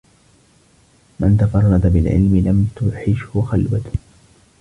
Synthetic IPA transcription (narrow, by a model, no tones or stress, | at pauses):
mant̪afɑrˤːɑd̪abɪlʕɪ̰lmɪlamt̪ʊħɪʃhʊxalwat̪